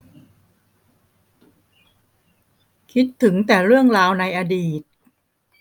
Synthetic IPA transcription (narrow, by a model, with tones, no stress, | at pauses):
kʰi˦˥t̪ʰːɯ˩˦ŋt̪ɛː˨˩ɾɯ˥˩əŋɾaː˧wna˧jʔa˧diː˨˩t̪̚